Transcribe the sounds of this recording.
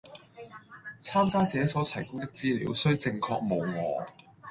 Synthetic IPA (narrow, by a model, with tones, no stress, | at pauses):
t͡sʰaː˥mkaː˥t͡sɛː˨˥sɔː˨˥t͡s̪ʰɐ˨˩jkʊ˥ŋt̪ɪ˥k̚t͡siː˥lḭː˨˧˥wsɵ˥ɥt͡sɪ˧ŋkʰɔː˧k̚mo˨˧wŋɔ̰ː˨˧